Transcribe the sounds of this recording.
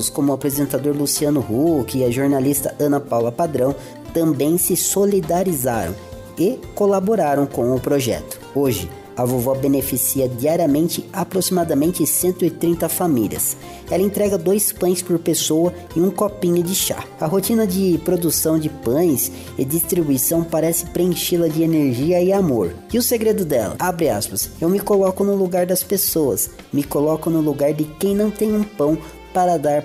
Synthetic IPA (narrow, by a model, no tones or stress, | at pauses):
skõmʊapɾezẽnt̪ad̪oɾlusiɐnʊhukɪɪɐʒoɾnalist̪ɐʔɐ̃nɐpawlɐpad̪ɾɐ̃w̃ | t̪ɐ̃mbẽj̃sɪsolid̪aɾiza̰ɾɐ̰̃w̃ | ɪkolaboɾaɾɐ̃w̃kõw̃ʊpɾoʒɛ̰t̪ʊ̥oʒɪ̰ | ɐvovɔbenefisiɐd͡ʒiaɾiɐmẽnt͡ʃɪapɾosimad̪ɐmẽnt͡ʃɪsẽnt̪ʊɪt̪ɾĩnt̪ɐfamiliɐ̰s | ɛlɐẽnt̪ɾɛɡɐd̪ojspɐ̃j̃spoɾpesowɐ | ɪũkopĩɲʊd͡ʒɪʃa̰ɐɦot͡ʃĩnɐd͡ʒɪpɾod̪usɐ̃w̃d͡ʒɪpɐ̃j̃s | ɪ̰d͡ʒist̪ɾibujsɐ̃w̃paɾɛsɪ̥pɾeẽʃilɐd͡ʒɪeneɾʒiɐɪamoɾ | ɪʊseɡɾed̪ʊd̪ɛ̰lɐ̰abɾɪa̰spɐsewmɪkolɔkʊnʊluɡaɾd̪ɐspesoɐ̰s | mɪkolɔkʊnʊluɡaɾd̪ɪkẽj̃nɐ̃w̃t̪ẽj̃ũpɐ̃w̃ | paɾɐd̪aɾ